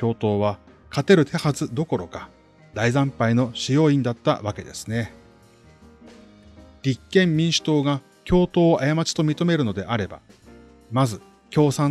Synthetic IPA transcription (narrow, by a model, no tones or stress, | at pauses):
kʲo̞ːt̪o̞ːβ̞a | kat̪e̞ɾɯ̟t̪ʰe̞hazɨd̪o̞ko̞ɾo̞kḁ | d̪aizãmpaino̞ɕijo̞ːĩnd̪at̪ːa̰βake̞d̪e̞̰sɨ̥ne̞ | d̥ʲikːẽ̞mːʲĩɰ̃ɕɨ̥t̪o̞ːɡa | kʲo̞ːt̪o̞ːʔajamat͡ɕi̥t̪o̞mʲit̪o̞me̞ɾɯ̟no̞d̪e̞̰ʔaɾe̞ba̰ | mazɨ | kʲo̞ːsã